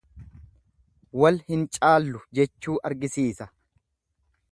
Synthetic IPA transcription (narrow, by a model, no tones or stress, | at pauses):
wɐlhɪnt͡ʃʼaːlːʊd͡ʒɛt͡ʃːuːʔɐɾɡɪsiːsɐ